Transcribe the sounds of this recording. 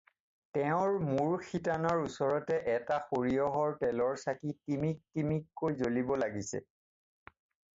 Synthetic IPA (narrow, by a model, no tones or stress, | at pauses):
tɛʊ̃ɹmuɹxʰitanɔɹusɔɹɔtɛʔɛtaxoɹijɔɦɔɹtɛlɔɹsakitimik̚timikːojzolibɔlaɡisɛ̰